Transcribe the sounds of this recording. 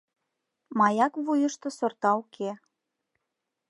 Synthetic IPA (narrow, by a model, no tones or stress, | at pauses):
mɑjɑkβujəʃt̪ŏsort̪ɑukʰe